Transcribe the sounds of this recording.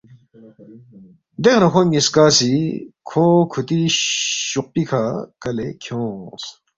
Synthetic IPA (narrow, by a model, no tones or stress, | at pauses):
d̪ekʰnɐkʰoŋiskaːsikʰoːkʰut̪iɕuq̚pikʰakɐlekʰjõːs